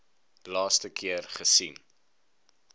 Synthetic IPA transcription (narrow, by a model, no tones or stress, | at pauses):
lɑːstəkʰiərχəsin